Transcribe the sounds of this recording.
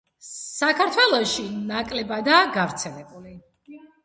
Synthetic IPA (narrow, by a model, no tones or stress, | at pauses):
sakʰaɾt̪ʰwɛlˠɔʃinakʼlɛbad̪aːɡavɾt̪sʰɛlɛbuli